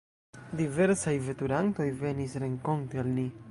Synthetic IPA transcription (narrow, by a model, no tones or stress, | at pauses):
dive̞ɾsajvetuɾanto̞jve̞nisɾe̞ŋko̞ntealni